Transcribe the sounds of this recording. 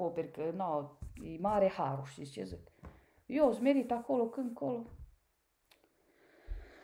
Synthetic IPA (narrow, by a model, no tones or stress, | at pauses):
opeɾkənaimaːɾehaːɾoʃisjəzɨk | joːzmeɾit̪akolokɨŋkolo